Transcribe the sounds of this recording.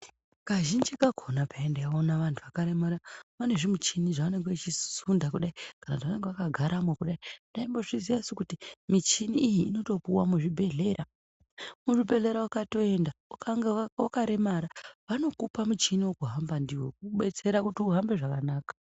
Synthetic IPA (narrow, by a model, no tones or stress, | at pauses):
kaʒind͡ʒikakʰo̞napaendajaonaʋantʰuʋakaɾe̞maɾamane̞ʐimut͡ʃiniʐaʋane̞ŋɡeit͡ʃisundakuɗaikanautiʋane̞ŋɡeakaɡʱaɾamwekuɗaindaimbo̞ʐiziʋasikutimit͡ʃiniːjiːno̞to̞puwamuʐibʱe̞ɮe̞ɾa | muʐibʱe̞ɮe̞ɾawakato̞e̞nda | wakaɾe̞maɾaʋano̞kupamut͡ʃiniwokuɦambandiwo̞̰k̚uɓe̞t͡se̞ɾakutiuɦambe̞ʐakanaːkḁ